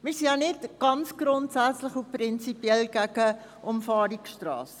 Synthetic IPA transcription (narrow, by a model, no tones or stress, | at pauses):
miɹsinjɑnɪtɡ̥ɑnt͡sɡ̥ɾʊntsæt͡sləχuprɪnt͡sipiɛlɡ̥æɡə | ʔɔmfɑːɾikʃtrɑ̰ːs